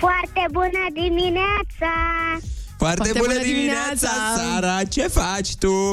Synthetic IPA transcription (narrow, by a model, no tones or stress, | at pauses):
faɾt̪ebunad̪iminɛt͡sa | faɾt̪ebunad̪iminet͡sasaɾat͡ʃefat͡ʃt̪u